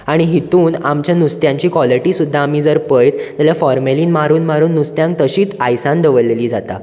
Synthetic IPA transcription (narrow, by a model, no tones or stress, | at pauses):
aɽ̃iɦit̪uːnamt͡ɕjanust̪jãɲt͡ɕiːkʋɔliʈiːsud̪ʱːaːm̤iːd͡zəɾpəjt̪t̪aljafɔɾmeliːnmaɾuːnmaɾuːnːust̪jãŋk̚t̪əɕiːt͡sajsãnd̪əʋəleliːd͡zat̪a̰